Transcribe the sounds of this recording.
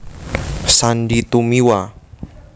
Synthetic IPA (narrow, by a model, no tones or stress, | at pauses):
sanɖit̪umiwa